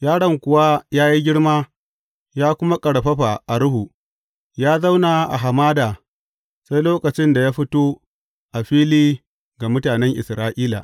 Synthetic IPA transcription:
jaː˦ɽɐ˦ŋkʷʊ˨wa˦jaː˦ji˦ɡʲɪ˦ɽmaː˦ | jaː˦kʷʊ˦ma˦kʼɐ˨ɽɸɐ˦ɸa˨ʔa˨ɽʊ˦hu˨ | jaː˦za˦wna˨ʔa̰˨ɦa˨maː˦da˨ | sa˦jloː˦kɐ˨t͡ʃɪ˦nda˨jaː˦ɸɪ˦toː˦ | ʔa˨ɸiː˦liː˦ | ɡa˨mʊ˦taː˨nɛ˦ŋʔɪ̰˨sɾaː˦ʔiː˦la̰ː˨

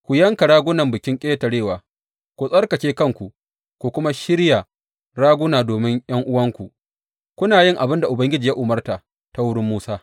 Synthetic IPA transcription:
kʷu˨jɐ˦ŋka˨ɽaː˦ɡʷʊ˦nɐ˨mbɪ˨kʲɪ˦ŋkʲʼeː˦ta˨ɽeː˦˨waː˨ | kʷu˨sʼɐ˦rkɐ˨t͡ʃeː˦kɐ˦ŋkʷu˨ | kʷu˨kʷʊ˦ma˦ʃɪ˦ɽja˨ | ɽaː˦ɡʷʊ˦naː˨doː˨mɪ˦ŋj̰ɐ˦ŋʔʊ˦wɐ˦ŋkʷu˨ | kʷʊ˦naː˨jɪ˦˨ŋʔa˨bɪ˦nda˨ʔʊ˨bɐ˦ŋɡʲɪ˦d͡ʒiː˨ja˦ʔʊ˨mɐ˦rta˨ | ta˦wʊ˦ɽɪ˦mːuː˦saː˦

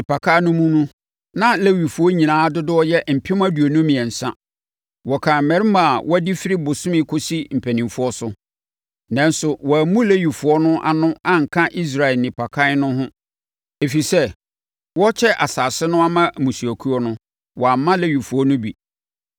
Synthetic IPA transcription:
nɪ˨pa˨kʰa˦nʊ̃˦mũ˦nʊ̃˦ | nã˦le˦wi˨fu˨ɔ˦ɲĩ˨nãː˨˦dʊ˦dʊ˦ɔ˦jɛ˦m̩˨pʰɪ˦m˦a˦du˨o˨nʊ̃˦mĩ˨ɛ˨n̩˨sã˦ | wɔ˨kʰã˨m̩˨mɛ̃˨ɾɪ˦ma˨wʔɔ˦æ˦di˦fɪ˦ɾi˦bʊ˨sʊ̃˦mɪ̃˦kʰʊ˦si˦m̩˨pʰæ˨nĩ˨fu˦ɔ˦sʊ˦ | nã˨˦n˦sʊ˨wɔ˨æ˨mũ˦le˦ɥi˨fu˨ɔ˦nʊ̃˦ʔa̰˨nʊ̃˦a˦ŋ̩˨kʰã˦ʔi˦s̬ɾa˨ɛ˨nɪ̃˨pʰa˨kʰa˦nʊ̃˦ɦʊ̃˦ | e˨fi˨sɛ˦ | wɔ˦t͡ɕʰɛ˦ʔa˨saː˨sɪ˦nʊ̃˦a˦mã˦mũ˨su˨æ˨kʰu˦ɔ˦nʊ̃˦ | wɔ˨a˨mã˦le˦ɥi˨fu˨ɔ˦nʊ̃˦bḭ˨

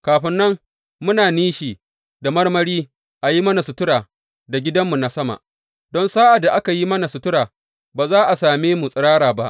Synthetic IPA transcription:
kaː˨ɸɪ˦nːɐ˦ŋ | mʊ˦naː˨niː˦ʃiː˨ | da˨mɐ˦rmɐ˦ɾiː˦ | ʔa˨ji˦mɐ˦na˨sʊ˨tʊ˦ɽaː˨ | da˨ɡʲɪ˦dɐ˦mːu˨na˨sɐ˦ma̰˨ʔ | dɔ˦nsaː˦ʔa˨da˨ʔa˦ka˨ji˦mɐ˦na˨sʊ˨tʊ˦ɾaː˨ | baː˨zaː˦ʔa˨saː˨meː˦mu˨sʼɪ˨ɽaː˦ɾaː˨ba̰˦ʔ

